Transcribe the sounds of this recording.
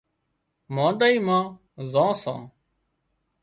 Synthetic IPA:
mãːd̪aːiːmãː | zãːsã̰ː

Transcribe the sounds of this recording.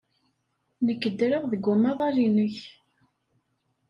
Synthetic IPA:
nəkːəd̪ɾəʁðəɡʷːʊmɑðˤɑlinəç

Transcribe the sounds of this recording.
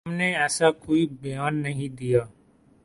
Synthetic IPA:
mneːɛːsaːkoːiːbəjaːnːəɦĩːd̪ijaː

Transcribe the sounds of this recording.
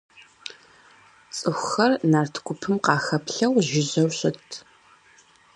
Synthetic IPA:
t͡sʼɨxʷxɐrnaːrtʰkʷʰʊpʰɨmqɑːxɐpʰɬɐwʒɪʑɐwɕɪtʰ

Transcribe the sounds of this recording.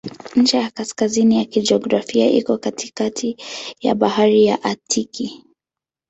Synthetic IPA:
ɲ̩t͡ʃɛjakaskazinijakid͡ʒiɔɡɾafiaʔḭkɔkati̥katʰija̰ɓahaɾijaʔatʰiki

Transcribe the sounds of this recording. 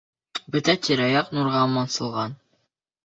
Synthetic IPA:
bɵ̆t̪æt̪ʲiɾɑjɑqnuɾʁɑmɑnsɤ̆lˠʁɑn

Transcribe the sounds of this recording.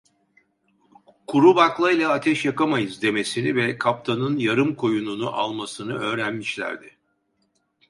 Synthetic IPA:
kʰuɾubaklˠajlˠaːt̪ʰɛʃjakamajɯzd̪e̞me̞sinivɛkʰap̚t̪ʰanɯnjaɾɯmkʰo̞jununuʔalˠmasɯnɯø̞ːɾænmiʃlʲæ̰ɾd̪ɪ

